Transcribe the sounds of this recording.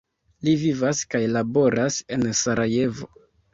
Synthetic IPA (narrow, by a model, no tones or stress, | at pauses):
livivaskajlabo̞ɾʔase̞nsaɾʔaje̞vo̞̰